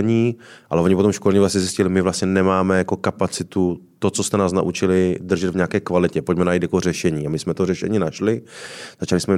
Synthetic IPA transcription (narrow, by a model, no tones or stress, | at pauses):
ɲiːʔalɛvo̞ɲɪpot̪omʃkolɛɲɛvlastɲɛzɪscɪlɪmɪvlast̪ɲɛnɛmaːmɛjako̞kapat͡sɪt̪ut̪o̞t͡so̞st̪ɛnaːsna̰ʔut͡ʃɪlɪd̪r̩ʒɛd̪vɲaaːkɛːkvalɪcɛpocmɛnajit̪jakor̝ɛʃɛɲiːamɪsmɛt̪orɛʃɛ̰ɲiːnaʃlɪzat͡ʃalɪsmɛ